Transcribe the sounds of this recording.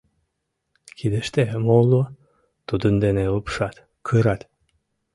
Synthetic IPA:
kʰid̪əʃt̪emolu | t̪ud̪ənd̪eneupʃɑt̪ | kʰɨɾɑt̪

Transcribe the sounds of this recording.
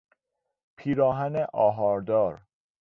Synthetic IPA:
pʰiːɾɒːɦæneʔɒːɦɒːɾd̪ɒːɾ

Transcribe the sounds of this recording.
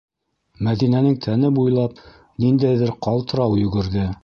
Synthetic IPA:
mæðinænɘŋt̪ʰænɘbujlˠɑp | nind̪æjðɘɾqɑlˠt̪ɤ̆ɾɑwjɵ̆ɡɘ̆ɾðɘ

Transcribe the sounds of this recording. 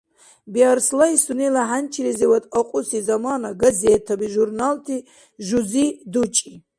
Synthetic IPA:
biaɾslaisunilaɦant͡ʃʰiɾizɛwat̪ʼɔqʼusizamanaɡɐzɛːt̪ʰabiʒuɾnalt̪ʰi | ʒuzid̪ut͡ʃʼi

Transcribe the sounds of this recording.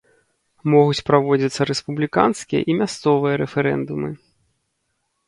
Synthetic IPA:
mɔɣut͡sʲpɾavɔd͡zʲit̪sːɐɾɛspublʲika̰nskʲijɐ̰ʔimʲast̪sɔvɨjɐɾɛfɛɾɛ̰nd̪umɨ

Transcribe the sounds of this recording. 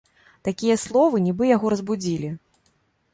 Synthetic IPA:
t̪akʲijɐslˠɔvɨnʲibɨjaɣɔɾɐzbud͡zʲilʲi

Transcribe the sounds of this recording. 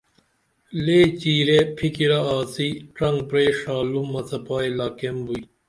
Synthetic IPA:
leːt͡ɕiːɾepʰikiɾɐaːsiʈɐŋɡpɾeːʂaːlumɐt͡sʰɐpaːjlaːkembui

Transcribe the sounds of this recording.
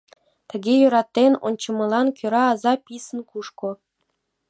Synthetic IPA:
t̪ə̆ɡʲejø̆ɾɑt̪ːeno̰nʲt͡ɕɤ̆mɤ̆lˠɑnkʲøɾɑːzɑpʲisə̆nkuʃkŏ

